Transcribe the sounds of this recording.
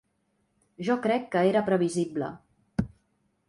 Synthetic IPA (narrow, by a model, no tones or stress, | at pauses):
ʒɔkɾɛkːəeɾəpɾəβ̞iziblə̰